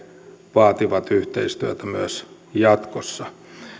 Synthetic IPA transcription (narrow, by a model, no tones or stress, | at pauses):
ʋɑːt̪iʋɑt̪yht̪eist̪yæt̪æmyæs | jɑt̪kosːɑ